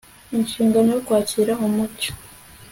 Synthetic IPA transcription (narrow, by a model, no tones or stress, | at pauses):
inʃiːŋɡanojokwaːciɾaɦomut͡ʃo̥